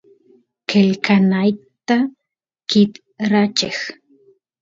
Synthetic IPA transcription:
kelkanajkt̪a | kɪt̪ | ɾat͡ʃex

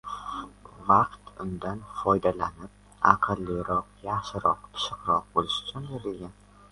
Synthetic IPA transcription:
vɑqt̪ʊnd̪anfɒjd̪alanɪp̚ | ɑqʰɨlˠːiɾɒqjɑχʃɪɾɒq̚t̪ʰɪ̥ʃɪqɾɒq̚bolɪʃʊ̥t͡ʃʰʊnbeɾɪlɡʲan

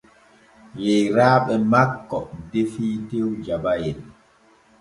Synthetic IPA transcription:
jɛjɾaːɓɛmakːɔdefiːtewd͡ʒabajɛn

